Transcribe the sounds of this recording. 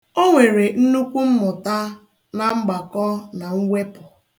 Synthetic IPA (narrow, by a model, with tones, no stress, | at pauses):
o˦ŋʷe˨ɾe˨n̩˦nu˦kʷu˦m̩˦mʊ˨ta˦ | na˨ŋ͡m̩˦ɡ͡ba˨kɔ˦na˨ŋ̩˦ŋʷe˦pʊ˨